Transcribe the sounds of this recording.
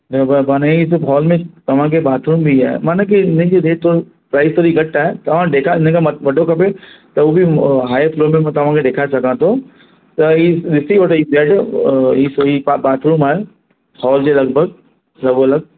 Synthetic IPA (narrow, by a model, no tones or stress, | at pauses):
d͡ʒɐbəbaːneis̬bɦɔːlmẽt̪ɐʋ̤ãk̬ebaːt̪ʰɾuːmbʱiɦɛ̰ːmaːnɐk̬iɪnẽd͡ʒeɾeːʈ̚t̪ʰoːɾ | pɾaːɪst̪oːɾiɡɐʈːaɦɛt̪ɐʋ̤ãɖeːkʰaɪnẽkaʋɐʈokɐpet̪ɐobʱiɦaːjfloːmẽt̪ɐʋ̤ãked̪eːkʰasɐkãt̪ʰo | t̪ɐidɪsiʋɐʈoibɛːʈisoipabaːt̪ʰɾuːmaːe | hɔːld͡ʒelɐɡbʱəɡ̚ | lɐbolɐɡ̚